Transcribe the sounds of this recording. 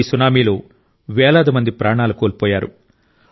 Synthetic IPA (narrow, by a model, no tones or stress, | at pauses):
sunaːmiːloː | ʋɛːlɐːd̪ɐmɐnd̪ipɾaːɳaːlukoːlpoːjaːɾṵ